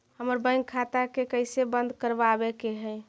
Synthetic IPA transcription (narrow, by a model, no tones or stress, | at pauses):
həməɾbə̃ɪ̃ŋɡkʰːat̪akekəɪsebənd̪kəɾbabekeɦɛɪ